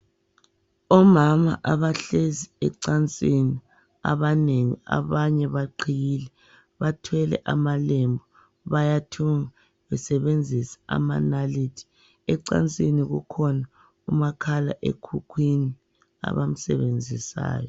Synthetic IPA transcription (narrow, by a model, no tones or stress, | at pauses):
ɔmama̰ʔaβaɬeziɛǀant͡sʼini | a̰βaneŋḭa̰βaɲɛβaǃʰijiːlɛ | βatʰwɛlɛ̰ʔamalembʱɔ | βajatʰuŋa | βɛsɛβend͡zʱisḁa̰manalitʰi̥ | ɛǀa̰nt͡sʼiniɣṵkʰɔna | umakʰala̰ʔḛkʰukʰwini | a̰βam̩sɛ̰βend͡zʱisa̰ːjɔ